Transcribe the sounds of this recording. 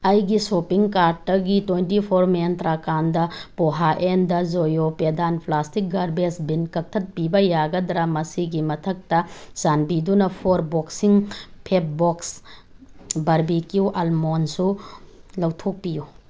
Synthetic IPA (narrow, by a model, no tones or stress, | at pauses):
ɐjɡisopiŋkaɾd̚ːɐɡitwejntipʰoɾmeantɾakandɐpoɦaʔendɐzojopedanpʰlastik̚ɡaɾbesbinkɐk̚tʰɐt̚pibɐjaɡɐdɾɐmɐsiɡimɐtʰɐk̚tɐz̥anbidunɐpʰoɾboksiŋpʰet̚boks | bɐɾbikjuʔɐlmonsulɐwtʰok̚piju